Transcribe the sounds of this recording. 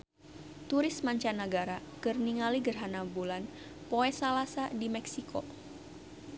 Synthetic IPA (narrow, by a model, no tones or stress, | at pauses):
t̪uɾɪsmaɲt͡ʃanəɡaɾa | kɨrniŋaliɡərɦanabulan | poɛsalasadimɛksikʰo